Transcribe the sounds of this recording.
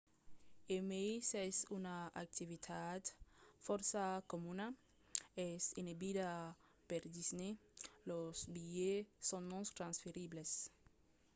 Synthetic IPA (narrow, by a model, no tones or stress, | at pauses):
emesesunaak̚t̪ivit̪ʰat̪fɔɾsakomũna | ɛsinebid̪a | peɾd̪isnelosbijesõnːɔ̃nt̪ɾãnsfeɾibles